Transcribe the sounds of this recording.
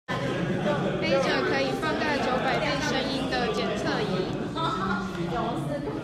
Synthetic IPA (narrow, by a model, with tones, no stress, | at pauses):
pe˥˩ʈ͡ʂə˨˩kʰɤ˧˦i˨˩fɑ˥˧ŋt̪a˥˩ɪt͡ɕjo˧˥ʊpa˨˩ɪte˥˩ɪʂə˧˥ŋi˥nd̪ə˨t͡ɕjɛ˨˩nt͡sʰɤ˥˩i˧˥˦